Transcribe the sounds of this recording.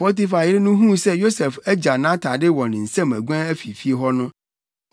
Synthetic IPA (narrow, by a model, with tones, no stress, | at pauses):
fɔ˦t̪̬i˦fa˨ɪ˦ɾɪ˦nũ˦ɦũ˦sɛ˦jo˦sɛ˨fɛ˦d͡ʑa˨nã˦tʰa˨dɪ˦wɔ˨nɪ̃˨n̩˨sɛ̃˦mɛ̰̃˨ɡʷɛ̃˦ɛ˦fi˨fi˦e˦ɦɔ˦nʊ̃˦